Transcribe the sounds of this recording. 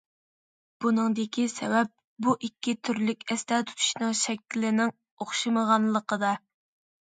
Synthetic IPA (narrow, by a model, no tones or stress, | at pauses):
b̥unɨŋd̪ɪkʲʰisɛwɛp̚ | buʔikʲːit̪ʰyɾlykʲɛst̪ɛt̪ʰu̥t̪ʰu̥ʃnɨŋʃɛkʲːlɪnɪŋ | oχʃɨməʁɑnlˠəqəd̪ɑ